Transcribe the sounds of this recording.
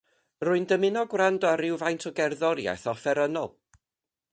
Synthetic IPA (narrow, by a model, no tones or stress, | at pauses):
rʊɨndəmɪnɔɡwrandɔaɾɪwvajntʰɔɡɛrðɔɾja̰jθɔfɛɾənɔlˠ